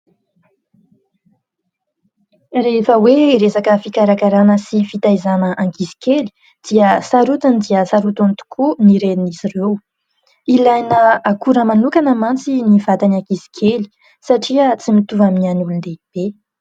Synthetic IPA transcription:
refəweiɾesakəfikaɾakaɾanəsifit̪ajzanəʔaŋkisi̥keli̥ | d̪̥iəsaɾut̪and̪iəsaɾut̪unt̪u̥kʰuniɾenizirew | ilajnəakuɾəmanukanəmant͡sinivat̪anaŋkisi̥kʰeli̥ | saʈ͡ʂiət͡simit̪uvaminanulund̪eb̥e

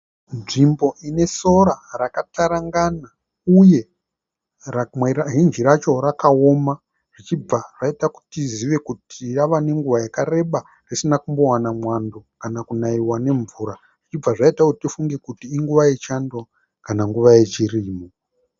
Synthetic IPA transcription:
nʐimbo̞ʔine̞so̞ɾarakataɾaŋɡana | uje̞ | rmɦind͡ʒiɾat͡ʃo̞ɾakaoma | ʐ̥it͡ʃib͡vaʐ̥aitaku̥tiziʋe̞kutʰiraʋane̞ŋɡuʋajakaɾe̞ɓa | risinakumbo̞wanamwando̞kanakunaiwane̞ɱvuːɾa | ʐ̥it͡ʃib͡vaʐaitakutitifuŋɡe̞kutiːŋɡuʋaje̞t͡ʃando | kanaŋɡuʋaje̞t͡ʃiriːmo

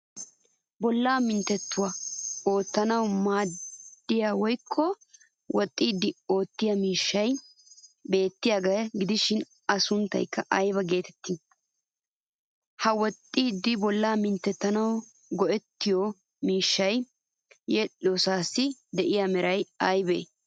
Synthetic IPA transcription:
bɔlːaːmɪnt̪ːɛt̪ːʊwao̞ːt̪ːɐnɐwmaːdd̪̥ːɪjaːwɔjkʰːɔ | wɔt̪ʼːiːd̪ːɪo̞ːt̪ːɪjɐmiːʃːɐj | be̞ːt̪ːɪjaːɡɐjɡɪd̪ɪʃɪn | ɐsʊnt̪ːɐ̰jkːɐʔɐjbɐɡe̞ːt̪ɛ̥t̪ːɪ | hɐwɔt̪ʼːiːd̪ːɪbɔlːaːmɪnt̪ːɛt̪ːɐnɐw | ɡɔʔɛt̪ːɪjo | miːʃːɐj | jɛlɪoːsaːsːɪd̪ɛʔɪjaːmɛɾʔɐjɐjbḛː

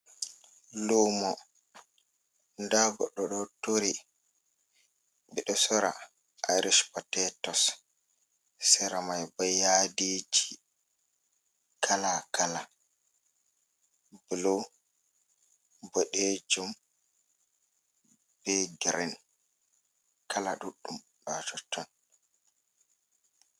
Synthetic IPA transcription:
luːmɔ | ndaɡɔɗɔɗɔtoɾi | ɓɛɗɔsɔɾa̰ | ʔaɾiʃpɔtɛtɔs | sɛɾamajbɔjaded͡ʒi | kʰalakʰala | bulo | bɔɗed͡ʒum | b̥ɛɡɾɛn | kʰalaɗuɗːum | ɗɔt͡ʃɔtʰːɔn

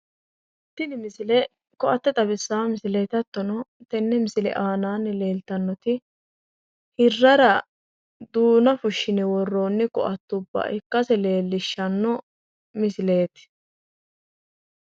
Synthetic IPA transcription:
ʔɪt̪ːɪnɪmɪsɪlɛ | kɔʔɐt̪ːɛt̪ʼɐbɪsːaːmɪsɪle̞ːt̪ɐt̪ːɔnɔt̪ɛnːɛmɪsɪlɛ̰ʔaːnaːnːɪle̞ːlt̪ɐnːɔt̪ɪ | hɪrːɐɾɐ | d̪uːnɐfʊʃːɪnɛwɔrːoːnːɪkɔ̰ʔɐt̪ːʊbːɐ̰ʔɪkːɐsɛle̞ːlːɪʃːɐnːɔ | mɪsɪle̞ːt̪ɪ̥

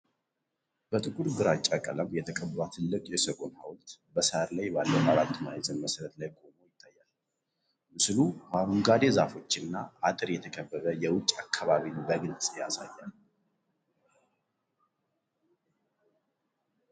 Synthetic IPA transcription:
b̥ət̪ʼɨkʼuɾɡɨɾat͡ʃʼakʼələmjɛt̪ʰəkʼəbbat̪ʰɨlːɨkʼjɛsəkʼo̞nha̰wlt̪bəsəhɾlajbalːəwʔaɾat̪ːmaezənməsəɾət̪lajkʼomojɪt̪ʰːajːal | mɨslumaɾuŋɡad̪e̞zafo̞t͡ʃːɪnːaat̪ʼɨɾjɛt̪ʰəkʰəbːəβəjɛwʊt͡ʃʼːakʰːaβaβinbəɡɨlt͡sʼjasa̰jːal

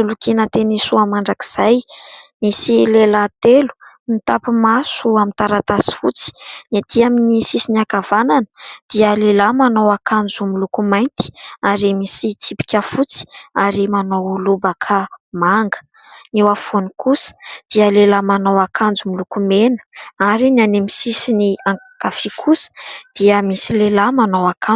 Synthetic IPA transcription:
sulukinət̪enisuamaɳɖ͡ʐaki̥z̥ajmisilelat̪elu̥ | nit̪apimasuamint̪aɾat̪asi̥fṵt͡si̥nat̪iaminisisiniakavananə̥d̪̥iəlelamanowakʰand͡zumilukumajnt̪i̥aɾimisit͡sipi̥kʲafut͡si̥aɾimanowulubəkʰamaŋɡə̥ | newafonikʰusə̥d̪̥iəlelamanowakʰand͡zumilukumenə̥aɾinanemisisiniaŋ | kafikʰusə̥d̪̥iəmisilelamanowaka

